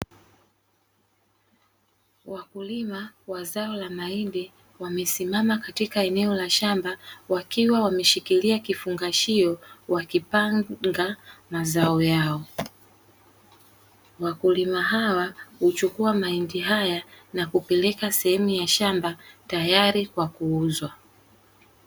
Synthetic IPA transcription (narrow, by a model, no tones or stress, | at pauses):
wakulimawazaɔlamaindi | wamɛsimamakatikaɛnɛɔlaʃambawakiwawamɛʃikiliakifuŋɡaʃiɔwakipaŋŋɡamazaɔjaɔ | wakulimaɦawahut͡ʃukuamaindiɦajanakupɛlɛkasɛhɛmujaʃambatajaɾikwakuuzwa